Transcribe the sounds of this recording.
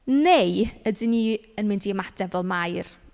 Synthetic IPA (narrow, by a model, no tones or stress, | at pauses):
nejədɪniːənmɪndiəmad̥ɛvɔlˠmajr